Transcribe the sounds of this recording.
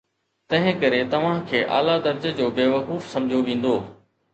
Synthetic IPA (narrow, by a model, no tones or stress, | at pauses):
t̪ɐ̃ɦɪ̃kɐɾet̪ɐʋ̤ãkʰeːʔa̰ːlad̪ɐɾd͡ʑəd͡ʑoːbeːʋɐkuːfsɐ̃md͡ʑʱjoʋĩːn̆d̪oː